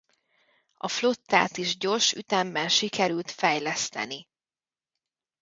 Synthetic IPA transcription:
ɒflo̞t̪ːa̰ːt̪iʒɟo̞rʃy̰t̪ɛmbɛnʃikɛɾylt̪fɛjlɛst̪ɛ̰ni

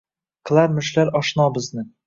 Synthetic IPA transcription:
klˠaɾmɵ̆ʃlæɾɒʃnɑbɤ̆znɤ

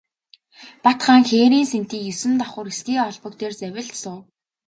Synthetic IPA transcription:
pat̪χaːŋxeːɾiːnsen̥t̪iːkjɵsɘ̆nt̪aχʊːrɡesɡiːɔɮpɞ̆kt̪eːrt͡sæwʲɪ̆ɮt̪sʊː

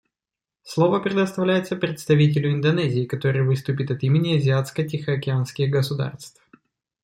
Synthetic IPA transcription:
slˠo̞vəpɾʲɪd̪əst̪ɐvlʲæjɪt̪səpɾʲɪt̪st̪ɐvʲitʲɪlʲʊɪnd̪ɐnɛzʲɪːkɐt̪o̞ɾɨjvɨst̪ʊpʲɪt̪ɐt̪imʲɪnʲɪɐzʲɪat̪skətʲɪxəɐkʲɪanskʲɪɣɡəsʊd̪a̰rst̪f

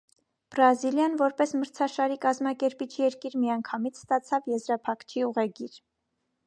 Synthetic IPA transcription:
b̥ɾɑziljɑnvɔɾpɛsməɾt͡sʰɑʃɑɾikɑzmɑkɛɾpit͡ʃʰjɛɾkiɾmijɑŋkʰɑmit͡sʰst̪ɑt͡sʰɑvjɛzɾɑpʰɑkt͡ʃʰiuʁɛɡiɾ

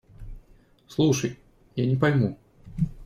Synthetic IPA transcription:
slˠuʂɐj | janʲɪpajmu

